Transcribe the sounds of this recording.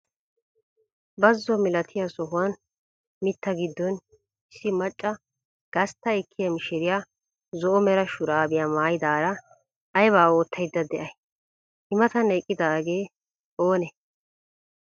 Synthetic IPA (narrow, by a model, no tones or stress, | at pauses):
bɐzːɔmɪlɐt̪ʰɪjasɔɦʊwɐn | mɪt̪ːɐɡɪd̪ːɔn | ɪsːɪmɐt͡ʃʼːɐ | ɡ̥ɐst̪ːɐɛkːɪjɐmɪʃɛɾɪjaː | zɔʔɔmɛɾɐʃʊɾaːbɪjaːmaːjɪd̪aːɾɐ | ɐjbaːo̞ːt̪ʰːɐjd̪ːɐd̪ɛʔɐj | ʔɪmɐt̪ɐnɐjkʼːɪd̪aːɡe̞ː | oːnɛ